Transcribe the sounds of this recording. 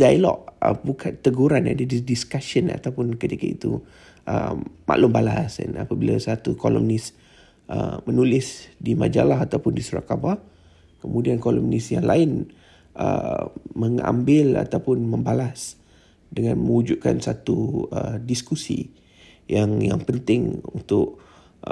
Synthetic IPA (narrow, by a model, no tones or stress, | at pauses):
dailɔ̰ʔəbukʰant̪əɡuɾana̰dididiskasəna̰t̪awpʊnkət̪ikait̪u | ʔəmʔa̰ʔlʊmbalasa̰napabilasat̪ukolɔ̰mnis | ʔəmənulɪsdimad͡ʒalaɦat̪awpʊndisuɾa̰ʔkaba | kəmudiankolɔmnisjaŋlaɪn | ʔəməŋa̰mbɪla̰t̪awpʊnməmbalas | dəŋanməŋud͡ʒub̚ka̰nsat̪uədiskusḭ | jaŋjaŋpənt̪ɪŋunt̪ʊʔ